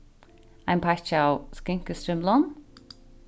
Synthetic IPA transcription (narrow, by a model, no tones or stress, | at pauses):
ampʰast͡ʃawskɪŋkəstɪmlɔn